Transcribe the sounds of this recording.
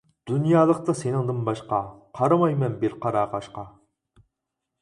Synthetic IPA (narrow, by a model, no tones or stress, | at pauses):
d̪̥unjɑːlˠəqt̪ɑsenɪŋd̪ɨnbɑʃqɑqʰɑɾɑmɑjmɛnbeɾqʰɑɾɑːʁɑʃqɑ